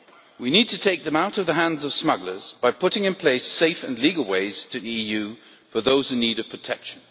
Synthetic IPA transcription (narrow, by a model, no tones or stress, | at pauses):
winid̚tʰɨtʰeɪk̚ðɨ̃maʊɾʌvðəɦæ̃ndzʌv̥smʌɡlə˞z̥b̥aɪpʰʊɾɪ̃ŋɨ̃npʰl̥eɪseɪfɨ̰̃nliɡl̩ˠweɪz̥tʰɨðiijʉ | fə˞ðoʊz̥hʉniɾʌv̥pʰɹ̥ətʰɛkʃɨ̃n̩